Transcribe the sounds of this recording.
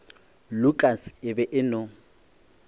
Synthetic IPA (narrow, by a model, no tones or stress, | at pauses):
lʊkʼasɪbɛʔɪnʊ